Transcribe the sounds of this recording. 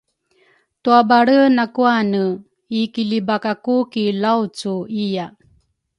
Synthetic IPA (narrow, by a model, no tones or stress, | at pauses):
tuabaɾənakuanə | ikilibakakukilawt͡suija